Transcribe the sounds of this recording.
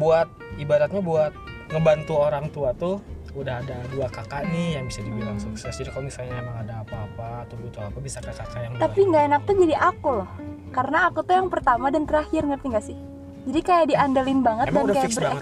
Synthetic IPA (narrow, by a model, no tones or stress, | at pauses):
buat̪̚ | ibadat̪̚ɲabuat̪̚ | ŋəbant̪uoɾaŋt̪uat̪ʊ | udahadaduakakanɪhjaŋbisadibilaŋsuksɛsd͡ʒadikalomisalɲaemaŋadaːpaːpaːt̪abut̪uapabisakakakaʔjaŋdt̪apiŋɡaenak̚t̪ud͡ʒadiʔakulɔhkaɾənaːkut̪ujaŋpərt̪amadant̪əɾahɪrŋərt̪iŋɡaʔsɪh | d͡ʒadikajadiandalɪnbaŋət̪̚dandkajabər